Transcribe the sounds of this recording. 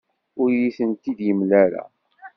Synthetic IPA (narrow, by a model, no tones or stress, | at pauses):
ʊɾjiθənt̪id̪jəmlæɾa̰